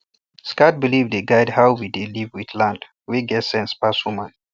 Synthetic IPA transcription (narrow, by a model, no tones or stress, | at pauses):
skat̚bilivdeɡaɪdhawwidelivwiθlãnd | wiɡɛtsɛ̃nspaswumãn